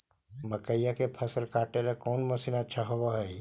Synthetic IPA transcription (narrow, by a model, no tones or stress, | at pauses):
bəkəijakepʰɐsəɾkaːʈeɾakɔːnməsinətːʃʰaɦowaɦɛː